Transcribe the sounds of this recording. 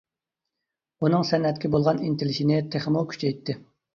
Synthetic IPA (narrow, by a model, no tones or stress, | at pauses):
unɨŋsɛnːɛt̪kʲibolˠʁɑnint̪ʰɪlɪʃinɪt̪ʰeχmukʲʰy̥t͡ʃʰɛjt̪ʰːɪ